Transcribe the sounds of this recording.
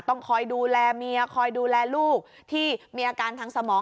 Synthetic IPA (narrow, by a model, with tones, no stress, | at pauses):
t̪ɔ˥˩ŋkʰɔː˧jduː˧lɛː˧miː˧ə˧kʰɔː˧jduː˧lɛː˧luː˥˩k̚ | t̪ʰiː˥˩miː˧ʔaː˧kaː˧nt̪ʰaː˧ŋsa˧mɔː˩˦